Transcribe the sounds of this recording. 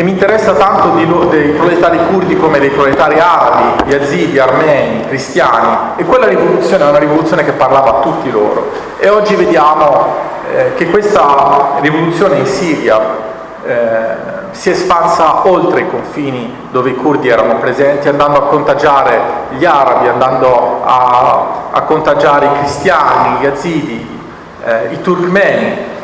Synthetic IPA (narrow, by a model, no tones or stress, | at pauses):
emːint̪eɾɛsːat̪ant̪od̪ilod̪ejpɾolet̪aːɾikurd̪ikoːmed̪ejpɾopljet̪aːɾiaɾabiʎiaziːd̪iarmɛːnikɾist̪jaːni | ekːwelːaɾivolut̪sjoːneɛunaɾivolut̪sjoːnekepːarlaːvaːt̪ːut̪ːilo̰ːɾo̰ | eɔd͡ʒːived̪jaːmo | kekːwest̪arivolut̪sːjoːneinsiːɾja | siespansaolt̪ɾeikoɱfiːni | d̪oːveikurd̪iɛːɾanopɾezɛnt̪iand̪and̪oakːont̪ad͡ʒaːɾeʎaɾabiand̪and̪oa | a̰kːont̪ad͡ʒaːɾeikɾist̪jaːniʎaziːd̪i | it̪urkmɛːni